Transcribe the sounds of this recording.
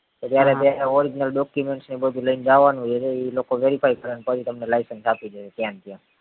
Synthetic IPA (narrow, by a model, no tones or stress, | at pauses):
t̪ot̪jaɾet̪jaɾeɔɾid͡ʒnəlɖɔkjumeɳʈsnebəd̪ʱuləind͡ʒaʋanũd͡ʒet͡ʃʰeilokoʋeɾifajkəɾenepət͡ʃʰit̪əmnelaɪsənsapid͡ʒəʃet̪jãnt̪jã